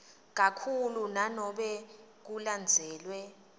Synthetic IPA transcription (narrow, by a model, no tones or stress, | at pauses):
k̬akʰulunanɔɓɛ | k̬uland͡zʱɛːlwɛ